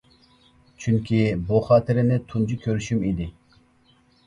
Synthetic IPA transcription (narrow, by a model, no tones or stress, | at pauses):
t͡ʃʰyŋkʲʰibuχɑːt̪ʰiɾɪnɪt̪ʰund͡ʒukʲʰøɾyʃymid̪ɪ